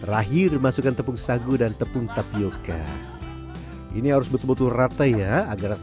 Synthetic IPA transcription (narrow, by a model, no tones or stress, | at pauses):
raɦɪrmasukant̪əpʊŋsaɡudant̪əpʊŋt̪apioka̰ | ḭniɦaɾʊsbət̪ubət̪urat̪ajaaɡar